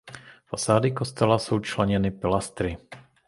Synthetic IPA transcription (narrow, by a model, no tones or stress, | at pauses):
fasaːdɪkost̪ɛlaso̞wt͡ʃlɛɲɛnɪpɪlast̪ɾɪ